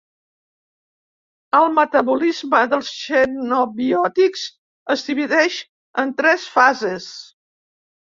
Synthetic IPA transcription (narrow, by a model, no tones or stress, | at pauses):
əlˠmət̪əβulizməðəlˠsʃɛnoβiɔt̪ikz̥ | əzðiβiðɛʃ | ənt̪ɾɛsfazes